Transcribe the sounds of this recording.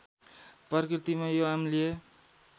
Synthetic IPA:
pʌrkrit̪imajoamlie

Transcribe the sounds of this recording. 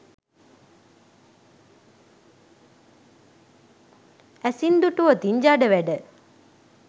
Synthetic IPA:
æsind̪uʈuʋət̪iɲd͡ʒaːɖəʋæɖə

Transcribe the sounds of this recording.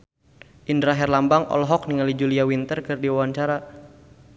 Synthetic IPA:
ʔindɾaɦɛrlambaŋʔɔ̰lɦɔk̚niŋalid͡ʒuliawint̪ərkɨrdiwawaɲt͡ʃaɾa

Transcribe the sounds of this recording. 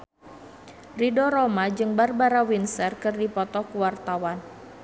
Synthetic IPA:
ridɔɾɔmad͡ʒɨŋbarbaɾawinsərkɨrdipɔt̪ɔkuwart̪awan

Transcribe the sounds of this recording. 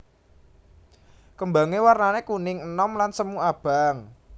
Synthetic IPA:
kəmbaŋewarnanekunɪŋənɔmlansəmuab̥a̤ŋ

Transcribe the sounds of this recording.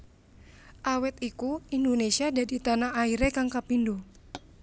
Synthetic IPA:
ʔawɛt̪ikuindonesiadadit̪anaaiɾekaŋkapindo

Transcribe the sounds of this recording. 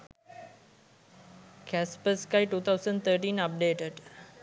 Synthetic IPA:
kʰæspəskaɪʈuːt̪ʰaʊsə̃ɳɖt̪ʰəːʈĩːnəp̚ɖeːʈəɖ

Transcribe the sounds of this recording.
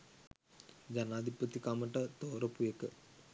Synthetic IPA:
d͡ʒanaːd̪ʱipət̪ikaməʈət̪oːɾɐpujekə

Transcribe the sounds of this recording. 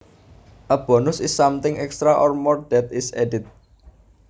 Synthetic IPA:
ʔəb̥ɔ̤nʊsɪsːamt̪ɪŋɛkst̪ɾaʔɔrmɔrd̥ɛt̪ɪseɖit̪̚

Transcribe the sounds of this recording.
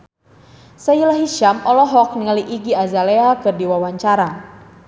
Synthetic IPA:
sajilaɦiʃamɔlɔɦɔk̚niŋəliʔiɡiazaleakɨrdiwawaɲt͡ʃaɾa

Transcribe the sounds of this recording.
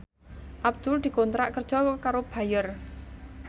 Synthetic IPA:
ʔab̚d̪̥ʊld̪̥i̤kont̪ɾaʔkərd̥ʒ̥ɔkaɾob̥a̤jər

